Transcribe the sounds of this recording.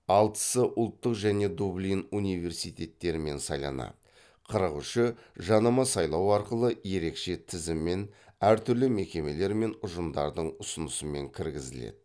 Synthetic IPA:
ɑlˠt̪ə̥səʔʊlˠt̪ːəqʒæne̞d̪ublʲinunijve̞ɾsijt̪ʲe̞t̪ːe̞ɾɪme̞nsɑjlˠɑ̰nɑ̰ | qʰəɾəqʏʃɪʒɑnɑmɑsɑjlˠɑwɑɾqəlˠəje̞ɾe̞kʃe̞t̪ʰɪzɪmːe̞næɾt̪ʰʏɾlɪme̞kʲe̞me̞le̞ɾme̞nʊʒəmd̪ɑ̰ɾd̪əɴʊsənəsəme̞̰ŋkʲʰɪɾɡʲɪzɪlḛd̪ɪ

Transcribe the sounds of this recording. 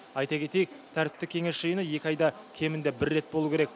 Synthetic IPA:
ɑjt̪ɑkʲʰe̞t̪ejek̚t̪ʰæɾɪ̥p̚t̪ɪkʲʰeŋe̞sʒəjənəje̞kʲɪɑjd̪ɑ | kʲʰe̞mɪnd̪e̞bɪɾːe̞t̪̚bo̞lˠukʲʰeɾek̚

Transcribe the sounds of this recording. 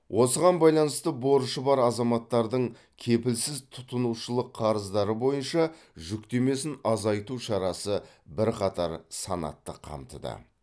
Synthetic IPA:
wʔo̞səʁɑnbɑjlˠɑnəst̪əbo̞ɾʃəbɑɾɑzɑmɑt̪ːɑɾd̪əɴ | kʲʰe̞pɪlsɪzt̪ʰʊt̪ənuʃəlˠəqʰːɑɾəzd̪ɑɾəbo̞jənʃɑ | ʒʏkt̪e̞me̞sɪnɑzɑjt̪uʃɑɾɑsə | bɪɾqʰɑt̪ɑɾsɑnɑ̰t̪ːə̰qʰɑ̰mt̪ə̰d̪ə̰

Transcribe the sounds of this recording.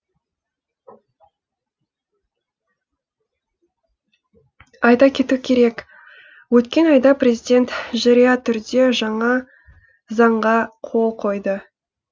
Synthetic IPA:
ɑjd̪ɑkʲʰe̞t̪ukʲʰe̞ɾe̞k | wɵt̪kʲe̞nɑjd̪ɑpre̞zid̪ʲe̞nt̪ʒɑɾijɑt̪ʰʏɾd̪e̞ʒɑɴɑ | zɑɴʁɑqʰo̞lˠqʰo̞jd̪ə

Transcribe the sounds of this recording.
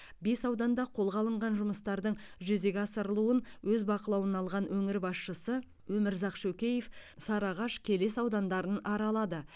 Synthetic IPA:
be̞sɑwd̪ɑnd̪ɑqʰo̞lˠʁɑlˠəɴʁɑnʒʊməst̪ɑɾd̪əɴʒʏze̞ɡʲɑsəɾəlˠuənwɵzbɑqəlˠɑwənɑlˠʁɑnwɵŋɪɾbɑsʃəsə | wɵmɪɾzɑqʃɵkʲe̞je̞fsɑɾɑʁɑʃkʲʰe̞le̞sɑwd̪ɑnd̪ɑɾənɑɾɑlˠɑd̪ə

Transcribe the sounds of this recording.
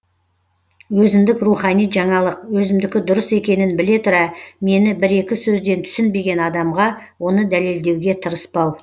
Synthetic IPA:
wɵzɪmd̪ɪkruχɑnijʒɑɴɑlˠəqwɵzɪmd̪ɪkʲɪd̪ʊɾəse̞kʲe̞nɪnbɪle̞t̪ʰʊɾɑme̞nɪbɪɾe̞kʲɪsɵzd̪e̞nt̪ʰʏ̥sɪnbe̞ɡʲe̞nɑd̪ɑmʁɑ | wo̞nəd̪æle̞ld̪e̞wɡʲe̞t̪ʰəɾəspɑw

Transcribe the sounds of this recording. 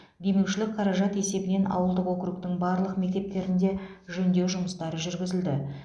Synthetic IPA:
d̪e̞me̞wʃɪlɪk̚qʰɑɾɑʒɑt̪e̞se̞bɪne̞nɑ̰wəlˠd̪əqwokʲɾuk̚t̪ɪŋbɑɾlˠəqme̞k̚t̪e̞p̚t̪e̞ɾɪnd̪e̞ʒɵnd̪e̞wʒʊməst̪ɑɾəʒʏɾɡʲɪzɪld̪ɪ

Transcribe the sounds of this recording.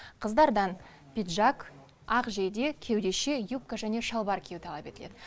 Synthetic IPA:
qʰəzd̪ɑɾd̪ɑn | pʲit̪ʒɑk | ɑqʒejd̪e̞kʲʰe̞wd̪e̞ʃe̞jup̚kaʒæne̞ʃɑlˠbɑɾkʲʰewt̪ʰɑlˠɑpe̞t̪ɪled̪ɪ

